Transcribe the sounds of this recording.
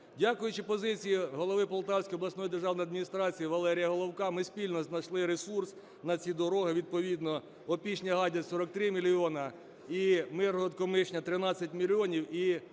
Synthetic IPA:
dʲakʊjʊt͡ʃɪpɔzɪt͡sʲijiɦɔlˠɔʋɪpɔlˠt̪ɑwsʲkɔjɔblˠɐsnɔjid̪erʒɑwnɔjɐd̪minʲist̪ɾɑt͡sʲijiʋɐlˠɛɾʲijɐɦɔlˠɔwkɑmɪsʲpʲilʲnɔznɐʃlˠɪɾesurs | nɐt͡sʲid̪ɔɾɔɦɐʋʲid̪̚pɔʋʲid̪nɔ | ɔpʲit͡ʃnʲɐɦɑdʲɐsɔɾɔk̚t̪ɾɪmʲilʲiɔnɐ | imɪrɔt̪kɔmɪʃnʲɐt̪ɾɪnɑt͡sʲɐtʲmʲilʲiɔnʲiwi

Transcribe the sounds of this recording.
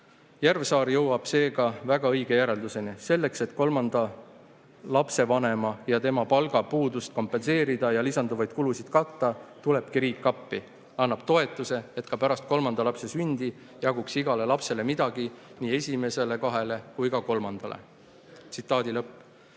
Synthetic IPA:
jærvsɑːɾjɤwɑb̥se̞ːɡɑvæɡ̥ɑɤjɡ̥e̞jæɾe̞ld̪use̞nise̞lːe̞kse̞t̪ko̞lmɑnd̪̥ɑ | lɑpse̞vɑne̞mɑjɑt̪e̞mɑpɑlɡ̥ɑpuːd̪ust̪̚ko̞mpːˑe̞nse̞ːɾid̪̥ɑjɑlisɑnd̪̥uvɑjd̪̚kulusid̪̥kɑt̪ːɑt̪ule̞b̥kiɾiːkːɑpːi | ɑnːɑb̥̚t̪o̞e̞t̪ːˑuse̞et̪kɑpæɾɑst̪̚ko̞lmɑnd̪̥ɑlɑpse̞synʲd̪̥i | jɑɡuksiɡ̥ɑle̞lɑpse̞le̞mid̪̥ɑɡ̥iniːe̞sʲime̞se̞le̞kɑɦe̞le̞kujkɑko̞lmɑnd̪̥ɑlḛ | t̪sit̪ˑːɑːd̪̥ilɤpː

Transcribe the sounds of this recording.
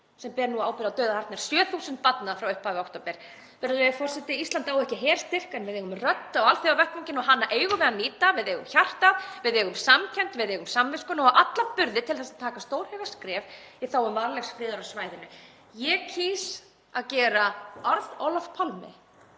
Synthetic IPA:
sɛmpɛɾnuaaːwpɪɾɪawt̪œːɥðahaɾrt̪naɾ̥sjœːθuːsɪnt̪̚pat̪naðafɾawʏhpaːvɪawht̪oːpɛɾ̥ | pɛːɾalɛfɔr̥sɛt̪ɪist̪ant̪awɛhcɪɦɛːɾ̥st̪ɪr̥kɛnvɪðeːɣʏmrœt̪ːawalθiawvɛht̪awɲcɪnɔɦanːaʔeːjɣʏvɛðaniːt̪avɪðeːɣʏmçar̥t̪aðvɪðɛːɣʏmsamcʰɛnt̪vɪðɛːɣʏmsamvɪskʏnaɔʔat̪lapʏɾðɪt̪ʰɪlθasaðt̪ʰaːkast̪oːwɾ̥hɛɣaskɾɛːviθawɛmvaɾlɛxsfɾɪːðʏɾawsvaːjðɪnːʏ | jɛcʰiːs | aðcɛːɾaɔɾðowlafpʰalmɪ̰

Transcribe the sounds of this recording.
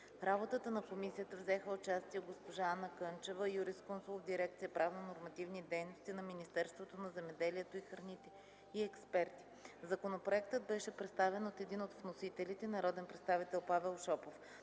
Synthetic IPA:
ɾabot̪ət̪ənɐkomisijət̪əvzɛxəʊt͡ʃast̪iɛɡospoʒaːnəkɤnt͡ʃɛvəjuɾiskɔnsulˠovd̪iɾɛk̚t̪sijəpɾavnənoɾmɐt̪ivnid̪ɛjnost̪inɐminist̪ɛɾst̪vot̪onɐzɛmɛd̪ɛliɛt̪oixɾɐnit̪ɛ | iɛkspɛɾt̪i̥ | zɐkonopɾoɛk̚t̪əd̪̚bɛʃɛpɾɛt̪st̪avɛnot̪ɛd̪inot̪vnosit̪ɛlit̪ɛnɐɾɔd̪ɛnpɾɛt̪st̪avit̪ɛlˠpavɛlˠʃɔpof

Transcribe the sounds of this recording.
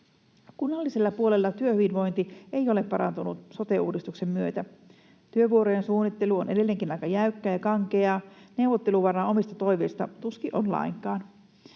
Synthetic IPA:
kunːɑlːise̞lːɑpuole̞lːɑt̪yøhyʋinʋo̞jnt̪ie̞jo̞le̞pːɑɾɑ̰nt̪unut̪so̞t̪e̞uːdist̪ukse̞mːyøt̪æ | t̪yøʋuo̞ɾojensuːnːit̪ːeluonʔe̞de̞lːe̞ŋkinɑjkɑjæykːæːjɑkɑŋkeɑːne̞uʋot̪ːe̞luʋɑrɑːo̞mist̪ɑt̪o̞jʋeist̪ɑ̰t̪uskiʔo̞nlɑ̰iŋkɑːn

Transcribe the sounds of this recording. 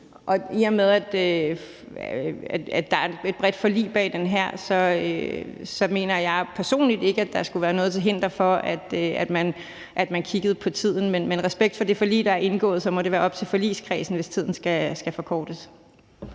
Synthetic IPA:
ʔɒ̽iɐmeðˠæd̥ø | æ̥æd̥ɑ̈æɐee̝d̥̚b̥ʁɛd̥fɒ̽lḭːb̥ɛ̰ːd̥enɦæɐ̰sɒ̽øsɒ̽me̝̰ːnɐjɑ̈ɪpʰæɐso̝̰ːnlid̥e̝ɡ̥əæd̥ɑ̈sɡ̥uʋæːɐnɔ̽ːðˠt͡sʰe̝ɦe̝n̰d̥ʁɐfɒ̽æd̥øæd̥mæn | ʔæd̥mænkʰiɡ̥əð̩ˠpʰɒ̽t͡sʰið̰ˠn̩menmenʁɛsb̥eɡ̥̚d̥fɒ̽d̥e̝fɒ̽lḭːd̥ɑ̈æɐe̝nɡ̥ɔ̰̽ːð̞̩ˠsɒ̽mɒ̽ɾe̝ʋæːɐɒ̽b̥̚t͡sʰelfɒ̽lḭːskʰʁɛ̰ːsn̩ʋe̝st͡sʰið̞̰ˠn̩sɡ̥æsɡ̥æfɒ̽kʰɒːd̥əs

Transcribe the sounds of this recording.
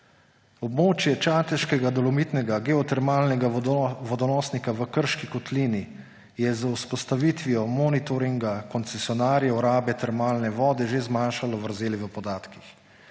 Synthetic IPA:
ɔbmoːt͡ʃjɛt͡ʃaːt̪ɛʃkɛɡad̪ɔlɔmit̪nɛɡaɡɛɔt̪ɛɾmaːlnɛɡaʋɔd̪ɔnɔːsnikaʋəkəɾʃkikɔt̪liːni | jɛzauspɔst̪aʋit̪ʋijɔmɔːnit̪ɔɾiŋɡakɔnt̪sɛsjɔnaːɾjɛɔɾaːbjɛt̪ɛɾmaːlnɛʋɔːd̪ɛʒezmaːnʃalɔʋəɾzeːliʋəpɔd̪aːt̪kix

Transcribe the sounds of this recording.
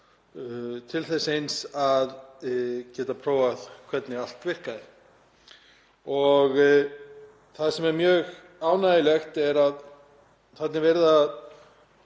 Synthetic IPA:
t̪ʰɪlθɛsejnsað | cɛːt̪apʰɾoːwaðkʰvɛt̪nɪal̥t̪vɪr̥kaðɪ | ɔɣ | θaðsɛmɛɾmjœːɣ | aːwnajɪlɛxt̪ɛɾað | θɛt̪nɪvɛɾðað

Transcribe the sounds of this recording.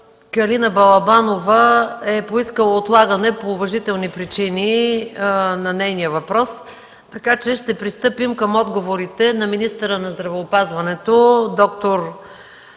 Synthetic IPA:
kɐlinəbɐlˠɐbanovəɛpoiskəlˠɐot̪lˠaɡɐnɛpoːvɐʒit̪ɛlˠnipɾit͡ʃini | nɐnɛjnijəvɐpɾɔs | t̪ɐkat͡ʃɛʃt̪ɛpɾist̪ɤpimkəmɔd̪ɡovoɾit̪ɛnɐminist̪əɾənɐzd̪ɾɐvɛopazvɐnɛt̪od̪ɔk̚t̪oɾ

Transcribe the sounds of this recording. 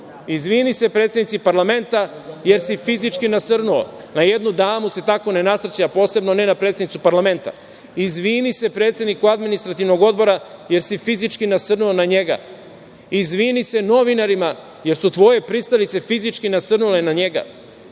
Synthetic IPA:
izʋiːnise̞pɾe̞ːt̪sed̪nit̪sipaɾlame̞nt̪aje̞ɾsifizit͡ʃkinasɨrnuo̰ | naje̞d̪nud̪aːmuse̞t̪ako̞ne̞nasɾ̩t͡ɕaapo̞ːse̞bno̞ne̞napɾeːt̪senit̪supaɾlame̞nt̪a̰ | izʋiːnise̞pɾet̪se̞d̪nikuad̪minist̪ɾat̪iʋno̞ɡo̞d̪bo̞ɾaje̞ɾsifizit͡ʃkinasɨrnuonaɲe̞ɡa̰ | izʋinise̞no̞ʋinaɾima | je̞ɾsut̪ʋo̞je̞pɾitst̪alit̪se̞fizit͡ʃkinasrnulenaɲe̞ɡa̰

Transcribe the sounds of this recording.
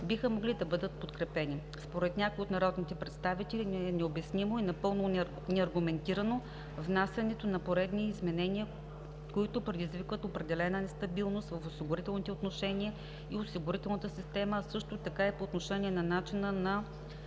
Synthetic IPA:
bixəmoɡlid̪ɐbɤd̪ət̪̚pot̪kɾɛpɛni | spoɾɛt̪nʲakojot̪nɐɾɔd̪nit̪ɛpɾɛt̪st̪avit̪ɛlinnɛobɛsnimoinɐpɤlˠno | nɛɐɾɡʊmɛnt̪iɾɐno | vnasʲjɐnɛt̪onɐpoɾɛd̪niːzmɛnɛniə | koit̪ʊpɾɛd̪izvikvət̪opɾɛd̪ɛlɛnənɛst̪ɐbilˠnost̪vəfosiɡʊɾit̪ɛlˠnit̪ɛot̪noʃɛniə | iosiɡʊɾit̪ɛlˠnət̪əsist̪ɛməsɤʃt̪ot̪ɐkaipoːt̪noʃɛniɛnɐnat͡ʃinənɐ

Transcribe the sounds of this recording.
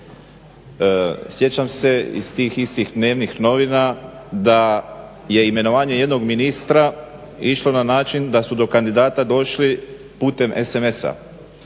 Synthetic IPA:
sje̞t͡ɕamse̞ḭst̪iːxist̪ixd̪ne̞ːʋnixno̞ʋinad̪a | je̞ime̞no̞ʋaːɲe̞je̞d̪no̞ɡminist̪ɾa | iʃlˠo̞nanaːt͡ʃind̪asud̪o̞kand̪id̪aːt̪ad̪o̞ʃli | puːt̪e̞mʔeseme̞sa̰

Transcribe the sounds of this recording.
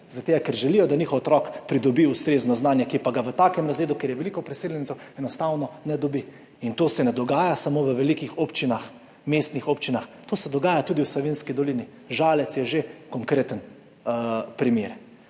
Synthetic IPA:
zat̪eːɡakɛɾʒɛlijɔd̪aniːxɔwɔt̪ɾɔkpɾid̪ɔbiust̪ɾeːznɔznaːnjɛkipaɡaʋət̪aːkɛmɾazʋeːd̪ukeɾjɛʋɛlikɔpɾɛseːljɛnit̪ɛwɛnɔst̪awnɔnɛd̪ɔbi | int̪oːsɛnɛd̪ɔɡaːjasamoːʋəʋɛlikixopt͡ʃinax | meːst̪nixopt͡ʃinaxt̪oːsɛd̪ɔɡaːjat̪uːd̪iwslɔʋenskid̪ɔliːni | ʒaːlɛt̪sjɛʒekɔŋkɾeːt̪ən | pɾimeːɾ

